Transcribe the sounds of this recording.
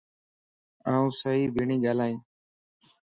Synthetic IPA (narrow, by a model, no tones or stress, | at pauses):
aːũːsəɦiːbʱɪɳĩːɠaːlaːĩː